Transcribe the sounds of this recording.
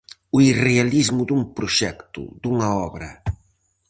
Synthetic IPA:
uirealizmʊd̪uŋpɾʊʃɛkt̪ʊ̰d̪uŋɐɔβɾɐ

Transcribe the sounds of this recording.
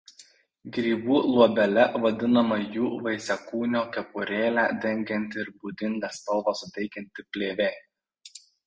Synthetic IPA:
ɡɾʲiːbuːlˠuɔbʲɛlʲɛʋɐd̪ʲɪnɐmɐjuːʋɐɪsʲɛkuːnʲoːkʲɛpʊɾʲeːlʲæːd̪ʲɛŋʲɡʲɛnʲt̪ʲɪɾbud̪ʲɪnʲd̪ʲɛːst̪ɐlˠʋɑsʊt̪ʲɛɪkʲɛnʲt̪ʲɪpʲlʲeːʋʲeː

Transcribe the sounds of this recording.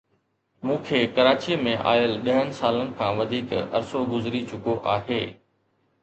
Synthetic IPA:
mũːkʰeːkɐɾaːt͡ɕimẽʔa̰ːjəlɗɐɦənɪ̆saːlənɪ̆kʰãːʋɐd̪ʱiːkɐ̰ɾsoɡʊzɾit͡ɕʊkoʔaːɦeː

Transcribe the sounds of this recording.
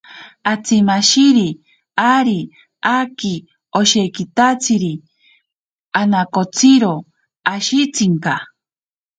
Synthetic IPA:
at͡simaʃiɾi | aɾi | aki | oʃekit̪at͡sʰiɾi | anakot͡sʰiɾo | aʃit͡siŋka

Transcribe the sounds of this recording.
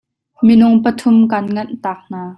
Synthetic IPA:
minʊŋpət̪ʰʊmkɐnŋɐnʔt̪aːk̚n̥aː

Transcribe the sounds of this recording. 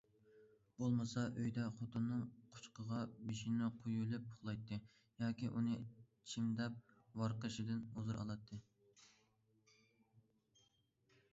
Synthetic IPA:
bolˠmɨsɑʔøjd̪ɛχot̪ʰɨnːɨŋqʰʊ̥t͡ʃqəʁɑbiʃinɪqʰujulˠɪp̚pʰʊχlˠɑjt̪ʰːɨ | jɑːkʲiʔunɨ | t͡ʃʰimd̪ɛp̚wɑɾqəʃɪd̪ɪnuzɨɾɑ̰lˠɑt̪ʰːɨ

